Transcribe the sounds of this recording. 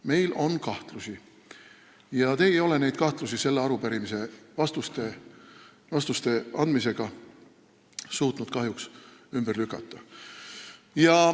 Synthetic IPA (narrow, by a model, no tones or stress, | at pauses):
me̞jlo̞nkɑht̪lusi | jɑt̪e̞ːejo̞le̞ne̞jd̪̥̚kɑht̪lusise̞lːeɑɾupæɾimise̞vɑst̪ust̪e̞ | vɑst̪ust̪e̞ʔɑnd̪mise̞ɡ̥ɑ | suːt̪nud̪̥̚kɑɦjuksymb̥erlykːˑɑt̪ːˑɑ | jɑ